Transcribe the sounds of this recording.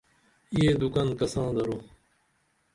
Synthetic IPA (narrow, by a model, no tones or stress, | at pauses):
ieːd̪ʊkankɐsãːd̪ɐɾoː